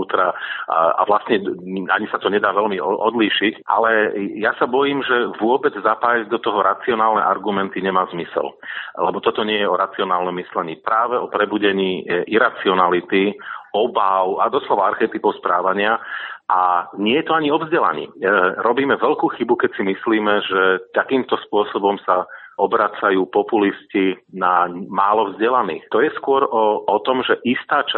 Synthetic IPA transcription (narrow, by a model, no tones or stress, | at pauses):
uːt̪ɾaa̰ʋlast̪ɲɛa̰ɲisat̪ɔɲɛd̪aːʋɛlmiɔd̪liːʃicʔa̰lɛjasabɔjiːmʒɛʋʊɔbɛd͡zzapaːjaɟd̪ɔt̪ɔɦɔɾat͡siɔnaːlnɛ̰ʔa̰ɾɡumɛnt̪iɲɛmaːzmisɛ̰llɛbɔt̪ɔt̪ɔɲɪɛjɛɔɾat͡siɔnaːlnɔmːislɛɲiːpɾaːʋɛɔpɾɛbuɟɛɲiːʔiɾat͡siɔnalit̪iɔbaʊad̪ɔslɔʋaaɾxɛt̪ipɔʊspɾaːʋaɲɪaʔaɲɪɛjɛt̪ɔaɲiɔvzɟɛla̰ɲḭːɾɔbiːmɛʋɛʎkuːxibukɛcsimisliːmɛʒɛt̪akiːmt̪ɔspʊɔsɔbɔmsaɔbɾat͡sajuːpɔpuliscinamaːlɔvzɟɛlanḭːxt̪ɔjɛskʊɔɾɔɔt̪ɔmʒɛʔist̪aːt͡ʃa